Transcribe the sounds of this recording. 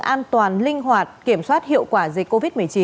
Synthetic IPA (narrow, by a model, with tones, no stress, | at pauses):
ʔaː˧nt̪waː˨˩nlï˧ŋ̟ɦwaː˨˩t̚ki˧˩əmswaː˦˥t̚hḭ˧˨əwkwaː˧˩zi˨˩k̟̚ko˧vi˦˥t̚mɨ˨˩əjt͡ɕi˨˦